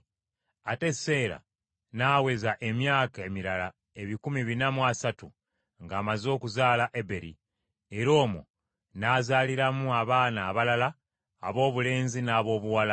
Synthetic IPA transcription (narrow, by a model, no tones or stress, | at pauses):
ate̞se̞ːɾa̰ | naːwe̞zaʔe̞mjaːkae̞miɾala | e̞βikumiβinamwasatu | ŋɡaːmazo̞ːkuzaːlaʔe̞be̞ɾḭ | e̞ɾo̞ːmo̰ | naːzaːliɾamuaβaːnaːβalalaː | βo̞ːβule̞ːnzinaːβo̞ːβuwala